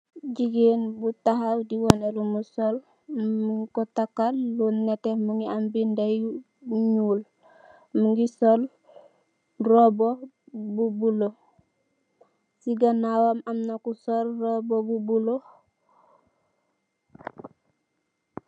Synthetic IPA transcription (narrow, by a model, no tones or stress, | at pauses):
ɟiɡenbutaɦawdiwonelumusol | muŋkotakːalːuːnːetemuŋɡiambindaj | ɲuːl | muŋɡisol | robo | bubulo | siɡanawamamnakusolrobobubulo